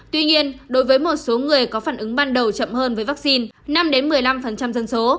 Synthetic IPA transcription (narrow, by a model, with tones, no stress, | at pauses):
t̪wi˧ɲi˧ənɗo˨˦jvəː˨˦jmo˨˩t̚so˨˦ŋɨ˨˩əjkɔ˨˦faː˧˩nʔɨ˨˦ŋɓaː˧nɗə˨˩wt͡ɕə̰˧˨mhəː˧nvəː˨˦jvaː˦˥k̚si˧nna˧mɗe˨˦nmɨ˨˩əjla˧mfə˨˩nt͡ɕa˧mzə˧nso˨˦